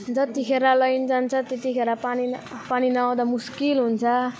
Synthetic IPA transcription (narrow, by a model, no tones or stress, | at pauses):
d͡zʌt̪ikʰeɾalʌjnd͡zant͡sʰʌt̪et̪ikʰeɾʌpanipaninʌaw̃d̪amuskilɦunt͡sʰʌ